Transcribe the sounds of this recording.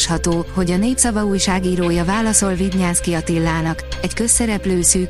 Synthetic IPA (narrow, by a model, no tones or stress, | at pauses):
ʃhɒt̪oːho̞ɟɒneːpsɒvɒuːjʃaːɡiːɾoːjɒvaːlɒso̞lviɟɲaːskiɒt̪ilːaːnɒkɛckø̞sːɛɾɛpløːsyːk